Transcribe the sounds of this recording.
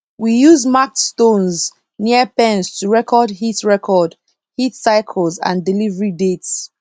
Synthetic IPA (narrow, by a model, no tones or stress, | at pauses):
wijuzmak̚tstõnz | niəpɛ̃nstʰuɹɛkʰɔdhitɹɛkʰɔd | hitsaɪkʰəlˠzã̰ndilivəɹidets